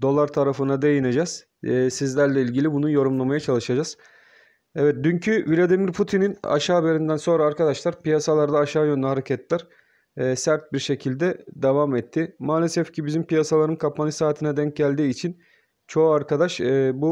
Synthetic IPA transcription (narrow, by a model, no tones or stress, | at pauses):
d̪o̞lˠaɾt̪ʰaɾafɯnad̪ejined͡ʒaz̥ː | sizlʲæɾlʲɛilʲɟilʲibunujo̞ɾumlˠamajat͡ʃʰalˠɯʃad͡ʒaz̥ | ɛvɛt̪̚d̪yɲcʰyvilʲad̪imiɾpʰut̪ʰinina̰ʃaːbe̞ɾind̪ænso̞nɾaːɾkad̪aʃlˠaɾpijasalˠaɾd̪aːʃaːjønd̪ʲɛɦaɾecʰɛt̪ʰlʲæɾ̥ː | sæɾt̪̚biɾʃe̞cʰilʲd̪ɛd̪evamɛt̪ʰːɪmaːlʲɛsɛfcʰibizimpijasalˠaɾɯnkʰapʰanɯsaːt̪ʰinɛd̪ɛɲc̚ɟælʲd̪iːt͡ʃʰin | t͡ʃʰo̞aɾkʰad̪aʃbu